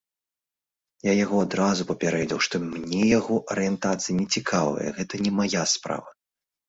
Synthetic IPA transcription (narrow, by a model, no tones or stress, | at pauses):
jajaɣɔad̪ɾazupɐpʲɛɾɛd͡zʲɛwʂt̪ɔmnʲɛjaɣɔʔɐɾɨjɛnt̪at̪sɨjinʲɛt͡sʲikʰavɨ̰jɐ̰ɣɛt̪ɐnʲɛmajaspɾa̰vɐ